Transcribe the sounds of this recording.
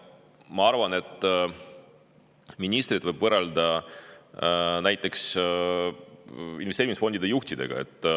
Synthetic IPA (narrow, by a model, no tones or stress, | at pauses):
mɑɑɾvɑne̞t̪ːˑ | minʲist̪ɾid̪̥vɤjb̥vɤrɑld̪ɑ | næjt̪ːˑe̞ks | ḭnveseːɾimisfo̞nd̪id̪ejuht̪id̪e̞̰ɡ̥ɑ̰e̞̰t̪ːˑ